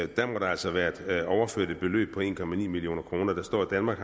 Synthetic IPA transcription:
d̥æmɒ̽ɾ̥ɑ̈æl̰sɒʋæːɐe̝d̥ɒʊɐføɐd̥əb̥e̝lø̰ːb̥̚pʰɒ̽e̝̰ːnkʰɒ̽mænḭːmilijo̝̰ːnɐkʰʁo̝ːnɐd̥ɑ̈sd̥ɒ̰ːid̥ænmɑ̈ːɡ̥

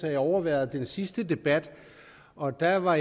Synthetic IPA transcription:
æjɒʊɐʋæɐ̰ð̩ˠd̥ensisd̥əd̥e̝b̥æd̥ | ʔɒ̽d̥æʋɑ̈

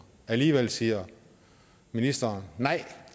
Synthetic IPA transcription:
æliːʋel̰siːɐ | minisd̥ɐnːɑ̈ɪ̰

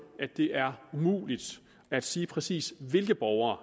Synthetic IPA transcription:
ædd̥e̝ʔæɐumṵːlid̥ | æd̥siːpʰʁɛsḭːsʋe̝lɡ̥əb̥ɒʊɐː

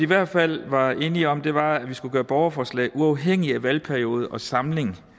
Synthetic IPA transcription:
iʋæɐ̰d̥fæl̰ʋɑ̈e̝ːniɒ̽md̥e̝ʋɑ̈æʋisɡ̥uɡ̥ɶːɐb̥ɒʊɐfɒːslɛ̰ːɪʔuɑ̈ʊɦeŋ̰iæʋælpʰæɐio̝ːð̞̩ˠʔɒ̽sɑ̈mle̝ŋ̩

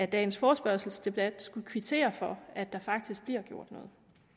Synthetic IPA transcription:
æd̥ɛ̰ːn̩sfɒːsb̥ɶɐ̰sl̩sd̥e̝b̥æd̥sɡ̥ukʰʋit͡sʰe̝̰ːɐfɒ̽æd̥ɑ̈fɑ̈ɡ̥̚d̥isɡ̥b̥liɐ̰ɡ̥jo̝ɐ̰d̥nɔ̽ːð̩ˠ

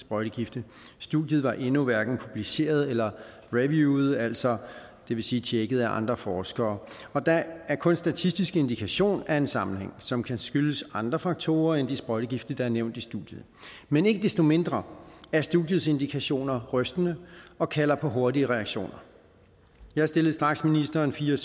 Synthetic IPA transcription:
sb̥ʁɒɪɾ̥əɡ̥ifd̥ə | sd̥uðˠjð̞̩ˠʋɑ̈ʔe̝nuʋæɐɡ̥n̩pʰub̥lise̝̰ːɐð̞ˠelɐ | ʁeʋjuð̞̩ˠæl̰sɒ̽ | d̥e̝ʋe̝siːt͡ɕʰeɡ̥əð̩ˠæʔɑ̈nd̥ʁɐfɒːsɡ̥ɐː | ɒ̽d̥ɑ̈æɐkʰɔ̽nsd̥æt͡sʰisd̥isɡ̥e̝nd̥ikʰæɕo̝̰ːnæe̝nsɑ̈mn̩hḛŋ̰sɒ̽mkʰæsɡ̥yləsɑ̈nd̥ʁɐfɑ̈ɡ̥̚t͡sʰo̝ːɐend̥isb̥ʁɒ̽ɪɾəɡ̥ifd̥̩d̥ɑ̈æɐneʊ̰nd̥isd̥uð̥ˠjəð̩ˠ | mene̝ɡ̥əd̥esd̥o̝me̝nd̥ʁɐæɐsd̥uðˠjð̩ˠse̝nd̥ikʰæɕo̝̰ːnɐʁœsd̥ənəɒ̽kʰælɐpʰɒ̽ɦo̝ɐdiəʁɛæɡ̥ɕo̝̰ːnɐ | jɑ̈hɑ̈sd̥e̝lð̩ˠsd̥ʁɑ̈ɡ̥sminisd̥ɐːnfiːɐ

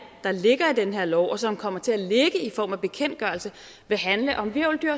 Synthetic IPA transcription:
d̥ɑ̈le̝ɡ̥ɐid̥enɦeɐ̰lɒʊ̰ʔɒ̽sɒ̽mkʰɒ̽m̰ɐt͡sʰe̝æle̝ɡ̥əifɒ̰ːmæb̥e̝kʰen̰d̥̚ɡ̥ɶɐl̩sə | ʋe̝ɦænləʔɒ̽mʋiɐʊld̥yɐ̰

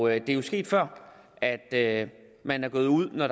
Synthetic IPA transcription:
d̥e̝æjo̝sɡ̥e̝̰ːd̥fɶɐ̰ | æd̥ø | mænæɐɡ̥ɔ̽ːð̞̩ˠuð̞̰ˠnɒɾ̥

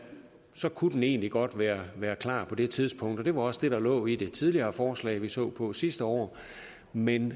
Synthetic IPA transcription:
sɒ̽kʰud̥n̩e̝ːnliɡ̥ɒ̽d̥ʋæːɐʋæːɐkʰlɑ̰̈ːpʰɒ̽d̥e̝t͡sʰið̞ˠspʰɔ̽ŋ̰d̥ɒ̽d̥e̝ʋɑ̈ɒ̽sd̥e̝ɾ̥ɑ̈lɔ̰̽ːid̥e̝t͡sʰið̞ˠliɐːfɒːslɛ̰ːɪʋisɔ̰̽ːpʰɒ̽sisd̥əɒ̰ː | men

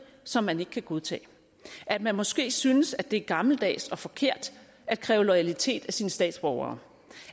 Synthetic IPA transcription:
sɒ̽mːæne̝ɡ̥əkʰæɡ̥o̝ð̞ˠt͡sʰɛ̰ː | ʔæd̥̚mænmɒ̽sɡ̥e̝̰ːsynəsæd̥e̝æɐɡ̥ɑ̈ml̩d̥ɛ̰ːsɒ̽fɒ̽kʰe̝ɐ̰d̥ | æd̥̚kʰʁɛːʊlɒɪælit͡sʰe̝̰ːd̥æsiːnəsd̥ɛ̰ːd̥sb̥ɒʊɐ̰ː

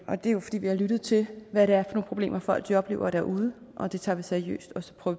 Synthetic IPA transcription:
ʔɒ̽d̥e̝jo̝fɒ̥dḭːʋihɑ̈lyɾ̥ð̩ˠt͡sʰe̝lʋæɾeæɐfɒ̽no̝ːnpʰʁo̝b̥lḛːmɐfɒ̽æd̥ʋ̥iɒ̽b̥le̝ːʊɐd̥æ̰ɐʔuð̞ˠə | ʔɒ̽d̥e̝t͡sʰɑ̈ːʋisæɐiø̰ːsd̥ɒ̽sɒ̥pʰʁœː

